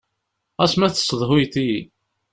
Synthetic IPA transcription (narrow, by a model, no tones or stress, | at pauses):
æsmæθə̥sˤəðˤɦʊjt̪ii